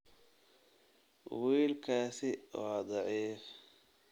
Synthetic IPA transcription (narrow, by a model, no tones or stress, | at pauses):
wiːlkʰaːsɪɔ̰ːd̪ˤɑʕiːf